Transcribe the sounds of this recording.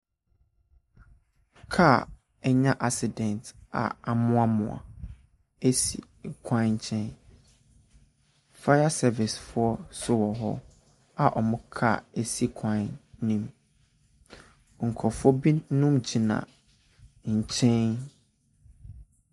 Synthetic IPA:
kʰa˦ | ɛ˦ɲã˦ʔa˦sɪ˨dɛ̃˨nta̰˨a˨mʊ̃˦a˦mʊ̰̃˨a̰˨ | e˦sḭ˨ | kʰã˦ɲ̩˨t͡ɕʰɛ̃˦n | fa˦ja˦sɛ˦vɪ˨sfʊ˦ɔ˦sʊ˦wɔ˨ɦɔ̰˦ | a˨ʔɔ˨mʊ̃˦kʰa̰˦˨e˦si˦kʷʰãː˦ĩ˦m | ŋ̩˨kʰɔ˨fɔ˦bi˦nʊ̃˦md͡ʑi˨nã̰˨ | ɲ̩˨t͡ɕʰɛ̃˦n

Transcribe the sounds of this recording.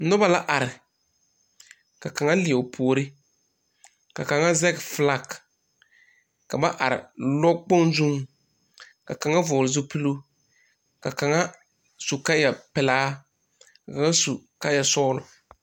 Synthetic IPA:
nʊ˦ba˦la˦ʔa˨ɾɪ˨ | ka˨ka˨ŋa˦lɪ˨ɛ˨pʰo˨ɾɪ˦ | ka˨ka˨ŋa˦zɛ˦kfla˦˨k | ka˨ba˦ʔa˨ɾɪ̰˨lɔ˦k͡po˦nzu˦m | ka˨ka˨ŋa˦vʊː˨lzʊ˦pɨ˦lo˦ | ka˨ka˨ŋa˦ | su˨ka˦a˨pɪ˨laː˦ | ka˨ka˨ŋa˦su˨ka˦a˨sɔː˦lʊ˨

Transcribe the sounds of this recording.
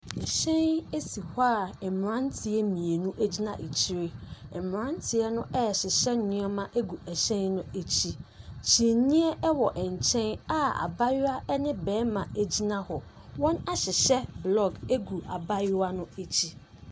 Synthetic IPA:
ɛ˨ɕɛ̃˦ne˦si˨haː˦ɛ˨m˨ɾã˦n˦tʰɪ˦ɛ˦mĩ˨e˨nũ˦ʔe˦d͡ʑi˦nã˦ʔe˨t͡ɕʰi˦ɾɪ˦ɛ˨m˨ɾã˦n˦tʰɪ˦ɛ˦nʊ̃˦ʔɛ˦ɛ˨ɕɪ˨ɕɛ˦nʊ̃˦ɔ˦mã˦ʔe˦ɡu˨ɛ˨ɕɛ̃˦nnʊ̃˦e˦t͡ɕʰi˦t͡ɕʰi˨nĩ˦ɛ˦ʔɛ˦wɔ˨ʔɛ˨ɲ˨t͡ɕʰɛ̃˦na˦a̰˨ba˦jʊ˦a˦ʔɛ˦nɪ̃˦bɛː˨˦mã˨e˦d͡ʑi˦nã˦hɔ˨ | wɔ̃˦na˦ɕɪ˨ɕɛ˦blɔ˨ɡe˦ɡu˨a˨ba˦jʊ˦a˦nʊ̃˦e˦t͡ɕʰi˦

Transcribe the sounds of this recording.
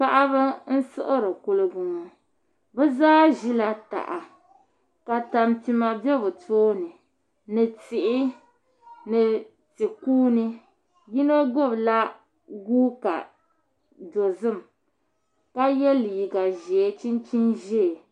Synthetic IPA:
pa˦ʔa˦bɨ˦n̩˦sɨ˦ʔɨ˦ɾɨ˨kʊ˦lɨ˦ɡu˨ŋɔ˨ | bɛ˦zaː˦ʒi˦la˨ta̰˨ʔa˨ | ka˨ta˨mti˨ma˨bɛ˦bɨ˨tʰoː˦nɨ˨ | nɨ˨tɪ˨ʔɪ˦ | nɨ˨ | ti˨kuː˦nɨ˦ | ji˦no˦ɡo˦˨bla˦ | ɡu˦ka̰˨ | do˨zɨ˦˨m | ka˦jɛ˦li˨ɡa˨ʒɛ˨˦t͡ʃi˦nt͡ʃi˦nʒɛ˦˨

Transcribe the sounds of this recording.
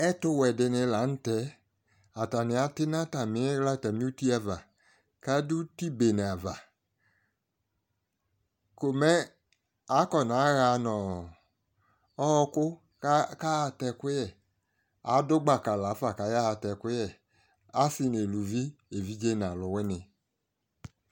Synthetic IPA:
ɛ˦tʊ˦wɛ˨dɪ˧nɪ˧la˨˦n̩˦tɛ˨˦ | a˨ta˨nɪ˨a˨˦tɪ˦na˦ta˨mɪ˨˦ɛ˦ɣla˦˨ta˨mi˦u˦ti˦a˧va˨ | ka˦du˦ti˦be˨ne˨a˨va˨ | ko˨mɛ˦ | a˨˦kɔ˨n˨a˨˦ɣa˧˦nɔ˨ | ɔ˦ɔ˧kʊ˦ | ka˦a˧tɛ˧kʊ˦jɛ˨ | a̰˨˦dʊ˦ɡ͡ba˦˨ka˨la˨˦fa˨ka˨˦ja˦ha˧tɛ˧kʊ˦jɛ˦˨ | a˦si˧ne˨lu˨vi˦e˨vi˦d͡ʒe˦n˨a˨lʊ˨˦wɛ˦nɪ˧

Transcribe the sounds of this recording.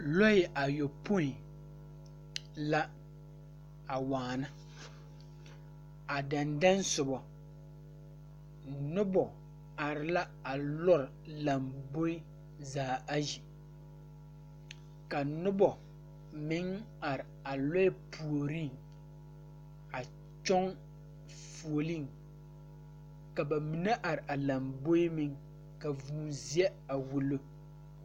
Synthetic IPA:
lɔ˦ɪ˨ʔa˨jo˨po˦i˨ | la˦ | a˨waː˨na˦ | a˨da˨nda˦nsʊ˨bɔ˨ | nʊ˦bɔ˨ | a˨ɾɪ˨la˦ | a˨lɔ˦ɾɪ˨la˨mbo˦ɪ˦ | zaː˨a˦ji˨ | ka˨nʊ˦bɔ˨ | mɪ˨˦ŋ | a˨ɾɪ˨a˨lɔ˦ɛ˦pʰu˨o˨ɾi˦˨ŋ | a˨ | t͡ʃɔ˦ŋ | fu˨o˨li˦˨ŋ | ka˨ba˨mi˨na˦ʔa˨ɾɪ˨ʔa˨la˨mbo˦i˦mɪ˦ŋ | ka˨vuː˨zi˦ɛ˦a˨wu˨lo˦

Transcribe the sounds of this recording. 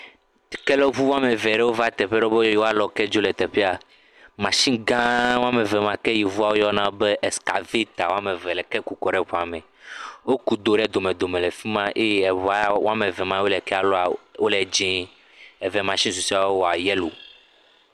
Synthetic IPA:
i˨kɛ˦lɔ˦vu˦wo˦a˦me˨vɛ˨ɖɛ˦wo˦va˦t̪ɛ˨ɸɛ˦ɖe˦o˦be˦ɔ˦jwo˦a˦lɔ˨kɛ˦d͡ʒo˦lɛ˨t̪ɛ˨ɸɛ˦a˨ | mã˨ʃĩ˦ŋ˦ɡã˦wo˦a˦me˨vɛ˨mã˨kɛ˦ji˨vu˦a˨wo˦jɔ˦nã˦be˦ʔɛ˨ska̰˨vi˦t̪a˨wo˦a˦mẽ˨vɛ˨lɛ˨kɛ˦ku˨kɔ˨ɖɛ˦ɸɔ˨a˨mɛ̃˨ | wo˦ku˨d̪o˨ɖɛ˦d̪o˨mẽ˨d̪o˨mẽ˨lɛ˨fi˦mã˦ʔe˦jɛ˨βa˨˦wo̰˦a˦mẽ˨vɛ˨mã˨˦wo˦lɛ˨kɛ˦a˨lɔ˦a˨wo˦lɛ˨d͡ʒĩ˦ | ɛ˨vɛ˨mã˨ʃĩ˦s̬u˨si˦a˨wo˦wɔ˨a˨jɛ˦lo˨

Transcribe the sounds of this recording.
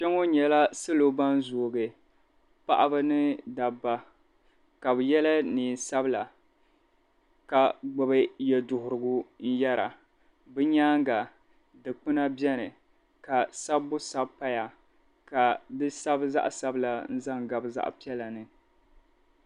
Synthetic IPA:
t͡ʃɛ˦ŋo˦ɲɛ˨la˦sɨ˦lo˦ba˦n˦zoː˨ɡɨ˨ | pa̰˦ʔa˦bɨ˦nɨ˦da˨ba˦ | ka˨bɨ˨jɛ˦la˦niː˨sa˦bɨ˦la˨ | ka˨ɡ͡bʊ˨bɨ˦jɛ˨dʊ˨hʊ˨ɾɨ˨ɡʊ˦n̩˦jɛ˦ɾa̰˨ | bɨ˦ɲaː˦ŋɡa˨ | dɨ˨k͡pɨ˦na˦bjɛ˦nɨ˨ | ka˨sa˦bːʊ˦sa˦bpa˦ja˨ | ka˨dɨ˦sa˦bza̰˦ʔsa˦bɨ˦la˨n̩˦za˦˨ŋɡa˨bza̰˦ʔpi˦ɛ˦la˨nɨ˨

